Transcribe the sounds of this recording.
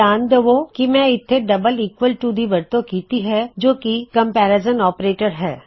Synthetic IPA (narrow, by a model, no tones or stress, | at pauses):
aːnd̪eʋokimɛ̃ɪt̪ʰːeɖɐbəliːkʋəlʈuːd̪ʱibɐɾt̪õkiːt̪iɦɛd͡ʒoːkikɐ̃mpɛːɾezənɔːpɾeːʈəɾɦɛ̰ː